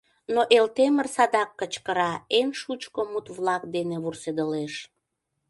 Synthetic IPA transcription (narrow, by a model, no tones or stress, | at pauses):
noʔelt̪emərsɑd̪ɑkːət͡ɕkəɾɑenʃut͡ɕkomut̪βlɑk̚d̪eneβursed̪əleʃ